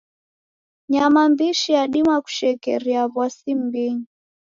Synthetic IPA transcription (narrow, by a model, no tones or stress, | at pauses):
ɲamambiʃijaɗimaku̥ʃɛkɛ̰ɾiaβwasimbiɲi